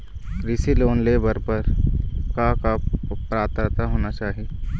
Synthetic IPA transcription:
ɾɪsiloːnleːbəɾpɐɾkakapɾaːt̪əɾt̪aɦoːnat͡ʃaːɦie

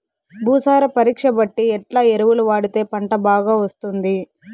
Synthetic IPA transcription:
bʱuːsaːɾɐpɐɾiːkʂɐbɐʈːiɛʈlaːeɾuʋuluʋaːɽut̪e̞ːpɐɳʈɐbaːɡaːʋɐst̪und̪i

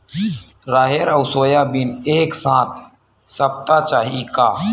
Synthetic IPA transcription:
ɾaːɦeɾəʊsoːjaːbineːksãːt̪̚ʰ | səp̚t̪at͡ʃaːɦikaː

